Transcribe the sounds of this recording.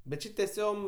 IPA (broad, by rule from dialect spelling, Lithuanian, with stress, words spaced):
bʲɛt ˈt͡ʃʲɪ tʲɛˈsʲoːm